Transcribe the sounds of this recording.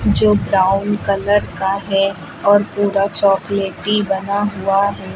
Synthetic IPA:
d͡ʒoːbɾaːʊnkɐləɾkaɦɛ | ɔːɾpuːɾat͡ʃɔːkleːʈibɐnaɦʊaɦɛː

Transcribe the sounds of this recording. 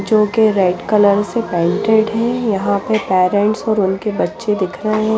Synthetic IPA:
d͡ʒoːkeɾɛɪɖkɐləɾsepɛ̃ːɳʈeːɖɦɛ̃jɐɦãpɐpɛːɾɛ̃ɳʈsɔːɾʊnkebɐtːʃed̪ɪkʰɾɐɦeɦɛ̃

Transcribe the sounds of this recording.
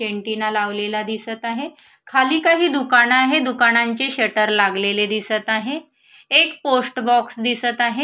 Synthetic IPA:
eɳʈinalaʋlelad̪isət̪aɦe | kʰaliːkaɦiːd̪ukanaɦed̪ukanaɲt͡ɕeɕəʈəɾlaɡleled̪isət̪aɦe | ekposʈbɔksd̪isət̪aɦe

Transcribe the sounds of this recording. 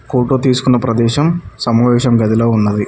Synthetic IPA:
foːʈoːt̪iːsu̥kunːɐpɾɐd̪ɛːʃɐmsɐmɐʋɛːʃɐmɡɐd̪iloːunːɐd̪i

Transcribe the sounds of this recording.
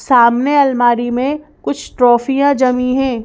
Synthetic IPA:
saːmneɐlmaːɾimẽkʊt͡ʃʰʈɾɔːfijãd͡ʒɐmiɦɛ̃ː

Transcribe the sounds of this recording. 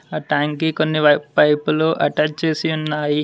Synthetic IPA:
aːʈaːŋkikonːiɐpɐjpuloːʔɐʈaːt͡ʃt͡ʃe̞ːsiunːaːji

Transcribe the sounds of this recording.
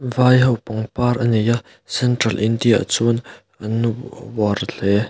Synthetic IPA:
vajɦɐwpɔŋparʔənija | sɛntrɐlʔindija̰ʔt͡sun | ʔənuwɔrl̥ɛ

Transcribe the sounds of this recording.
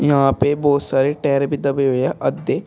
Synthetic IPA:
jɐɦãːpebɔːt̪saːɾeʈɛːɾebʱid̪ɐbeɦoɛʔɐd̪ːe

